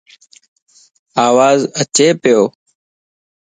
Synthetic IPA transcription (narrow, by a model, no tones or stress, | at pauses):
aːʋaːzət͡ʃeːpɪjoː